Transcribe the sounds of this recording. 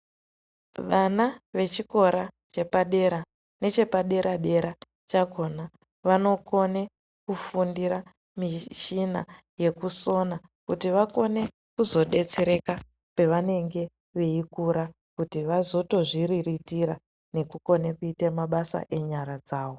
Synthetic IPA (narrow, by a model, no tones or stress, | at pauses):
ʋanaʋe̞t͡ʃiko̞ɾa | t͡ʃe̞paɗe̞ɾa | ne̞t͡ʃe̞paɗe̞ɾʔaɗe̞ɾa | t͡ʃako̞na | ʋano̞ko̞ne̞ | kufundiɾa | miʃina̰ | je̞kuso̞na | kutiʋako̞ne̞ | kuzo̞ɗe̞t͡seɾe̞ka | pe̞ʋane̞ŋɡe̞ | ʋe̞ikuɾa | kutiʋazo̞to̞ʐiɾiritiɾa | ne̞kuko̞nekuitemaɓasa̰ʔe̞ɲaɾad͡zaːʋo̞